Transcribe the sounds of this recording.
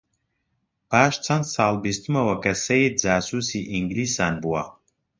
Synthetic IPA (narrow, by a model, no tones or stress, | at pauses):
paːʃt͡sʰɐnsaːlˠbist̪ʰumɐwɐkɐsɛid͡zaːsusiʔiŋɡlisanbua